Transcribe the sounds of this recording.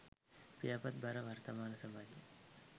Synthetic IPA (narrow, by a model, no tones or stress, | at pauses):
pijapɐt̪̚bɐɾɐʋɐrt̪ɐmaːnɐsɐmaːd͡ʒe